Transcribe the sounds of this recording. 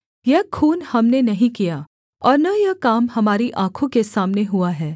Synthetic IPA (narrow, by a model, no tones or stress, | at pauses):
jɐɦkʰuːnhɐmnenɐɦĩkijaː | ɔːɾnɐjɐkaːmhɐmaːɾiʔãːkʰõkesaːmneɦuaɦɛː